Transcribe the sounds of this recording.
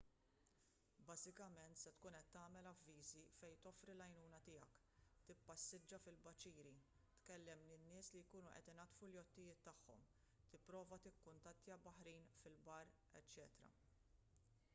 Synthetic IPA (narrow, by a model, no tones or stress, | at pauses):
bɐːzɪkɐmɛnt̪sɛt̪kuːnɛt̪ːɐːmɛlɐvːiːzifɛjt̪ɔfɾilɐjnuːnɐt̪ɪːjɐk | t̪ɪpːɐsːɪd͡ʒːɐfɪlbɐt͡ʃiːɾi | t̪kɛlːɛmninːɪːslijkuːnuʔɛ̰t̪ɪnɐt̪fuljɔt̪ːɪjɪːt̪ːɐħːɔ̰m | t̪ɪpːɾɔːvɐt̪ɪkːʊnt̪ɐt̪ːjɐbɐħɾiːnfɪlbɐr | ɛ̰t͡ʃːɛːt̪ɾɐ̰